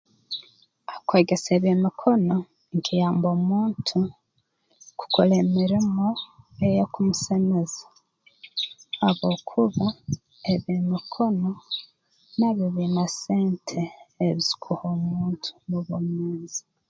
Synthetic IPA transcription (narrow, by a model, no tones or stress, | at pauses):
akweːɡeseːβimikʰo̞no̞ | iŋkʰijaːmbo̞ːmuːntʰu | ku̥koleːmiɾimo | ejekumuseme̞zḁ | aβoːkʰuβa | eβimikʰo̞no | neβiβinaseːntʰe̞ːβizi̥kʰuhoːmuːntʰu̥muβomweːzi̥